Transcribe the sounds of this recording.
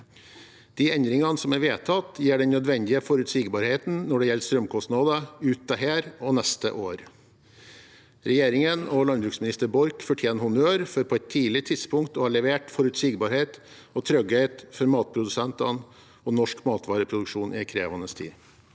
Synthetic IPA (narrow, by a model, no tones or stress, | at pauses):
d̪̥iːɛnd̪ɾɪŋɑnəsɔmæɾʋeːt̪ʰɑt̪jiːɖɛnnːœd̪ʋɛnd̪ɪəfɔɾʉt̪siːɡbɑːɾheːt̪n̩nɔɖɛjɛlst̪ɾœmkʰɔst̪nɑd̪əʉːt̪̚ɑɦæːɾɔnɛst̪ə̰ʔoːɾ | ɾɛjeːɾɪŋənɔlɑnbɾʉːksmɪnɪst̪əɾbɔɾkfɔʈʰjeːnhʊnøːɾfɔɾpʰɔːɛt̪ʰːiːlɪt̪ʰɪd̪spʰʊŋkt̪ɔɑɭɛʋeːʈfɔɾʉt̪siːɡbɑɾheːt̪ | ɔt̪ʰɾœɡɛɪt̪fɔɾmɑːt̪̚pʰɾʊd̪ʉsɛnt̪ɑ̰n | ɔnɔʂkmɑːt̪ʰʋɑːɾəpʰɾʊd̪ʉkʂuːnʔɪkʰɾeːʋɑnəst̪ʰḭː